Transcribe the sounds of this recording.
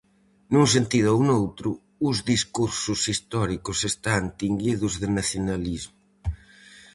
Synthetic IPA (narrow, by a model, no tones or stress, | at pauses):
nuŋs̬ent̪iðʊaunowt̪ɾʊː | zðiskuɾsʊsist̪ɔɾikʊsest̪ant̪iŋɡiðʊzðɪnaθjonalizmʊ